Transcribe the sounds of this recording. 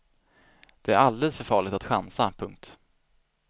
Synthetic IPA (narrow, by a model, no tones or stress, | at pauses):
d̪̥ɛæɾald̪eːd̪əsfœɾfɑːɭɪɡt̪at̪ɧa̰nsapʰɵŋk̚t̪